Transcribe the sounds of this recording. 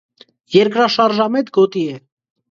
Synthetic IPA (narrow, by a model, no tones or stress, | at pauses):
jɛɾkɾɑʃɑɾʒɑmɛt̪ɡɔt̪iɛ